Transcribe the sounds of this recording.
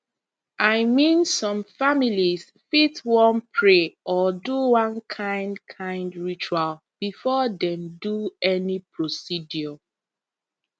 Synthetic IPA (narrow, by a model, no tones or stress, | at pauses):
ʔaɪmĩnsɔ̃mfamiliz | fitwɔ̃npʰɹeʔɔduwãnkʰãɪ̃ndkʰãɪ̃ndɹit͡ʃual | b̥ifɔdɛ̃mduɛnipʰɹosidjɔ